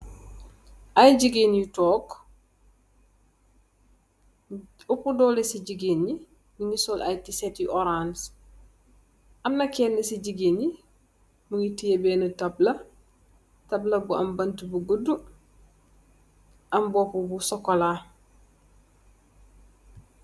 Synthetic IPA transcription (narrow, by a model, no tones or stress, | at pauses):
ajɟiɡenjitɔːk | ɔpudɔːlesiɟiɡeni | niŋisɔlʔajtisetjuʔɔɾans | ʔɐmnɐkɛnːisiɟiɡeni | muŋitijɐbeːnətɐblɐ | tɐblɐbuɐ̰mbɐntubuɡədːu | ʔɐmbɔːpubusɔkola